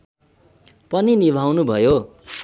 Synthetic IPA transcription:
pʌninibʱawnubʱʌjo

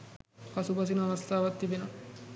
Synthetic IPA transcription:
kɐsubɐs̬inɐʋɐst̪ʰaːʋɐt̪ːibinɐ

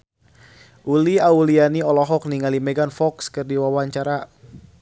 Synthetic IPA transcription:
ʔuliaulianiɔlɔɦɔk̚niŋalimɛɡanfɔkskɨrdiwawaɲt͡ʃaɾa

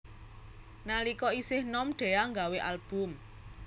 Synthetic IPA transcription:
nalikɔisɪhnɔmɖ̥e̤aŋɡaweʔalb̥ʊ̤m

